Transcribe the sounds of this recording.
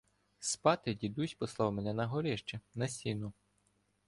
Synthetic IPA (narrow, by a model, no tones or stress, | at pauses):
spɑt̪ɪdʲid̪usʲpɔslˠɑwmenɛnɐɦɔɾɪʃt͡ʃɛnɐsʲinʊ